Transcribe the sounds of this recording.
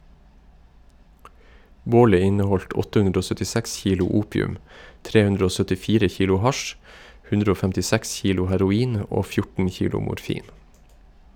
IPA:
ˈboːlə ˈɪnəˌhɔlt ˈɔtə ˈhʉndɾə ˈoː sœtɪˈsɛks ˈçiːlʊ ˈuːpɪʉm ˈtɾeː ˈhʉndɾə ˈoː sœtɪˈfiːɾə ˈçiːlʊ ˈhɑʃ ˈhʉndɾə ˈoː fɛmtɪˈsɛks ˈçiːlʊ hæɾʊˈiːn ˈoː ˈfjʊʈən ˈçiːlʊ mʊɾˈfiːn

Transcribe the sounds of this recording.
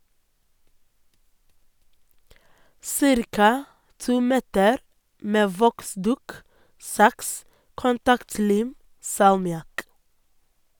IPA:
ˈsɪɾkɑ ˈtuː ˈmɛtəɾ ˈmeː ˈʋɔkˌsdʉːk ˈsɑks kʊnˈtɑktˌliːm sɑlmɪˈɑk

